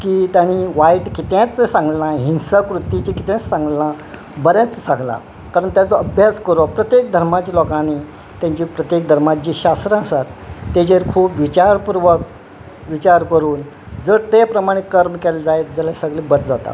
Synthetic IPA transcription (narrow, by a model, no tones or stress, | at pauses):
kiːt̪jaɽ̃iʋaiʈkit̪jãt͡sːəsãŋɡlnãɦinsakɾut̪ːit͡ɕikit̪jãt͡ssãŋɡlna | bəɾjãt͡st͡səsãŋɡla̰ | kaɾəɳt̪jat͡səəbʱjaskəɾopɾət̪jek̚d̪ʱəɾmat͡ɕiːlɔkãni | t̪jãɲt͡ɕiːpɾət̪jek̚d̪ʱəɾmad͡ʑiːɕast̪ɾãəsat̪ːed͡ʑeɾkʰuːpʋit͡ɕaɾpuɾʋək̚ | ʋit͡ɕaɾkəɾuːn | d͡zəɽt̪epɾəmaɽ̃ikəɾmkɛld͡zaet̪d͡zalasəɡliːbəɽʈ̪d͡zat̪a̰